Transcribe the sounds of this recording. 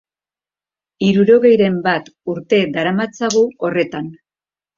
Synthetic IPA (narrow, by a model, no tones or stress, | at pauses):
iɾuɾo̞ɣe̞jɾe̞mbat̪uɾt̪e̞d̪aɾamat͡saɣuo̞re̞t̪an